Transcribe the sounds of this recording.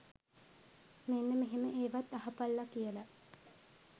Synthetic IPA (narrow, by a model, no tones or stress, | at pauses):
menːəmeɦeməʔeːʋat̪ːaɦapalːakijəla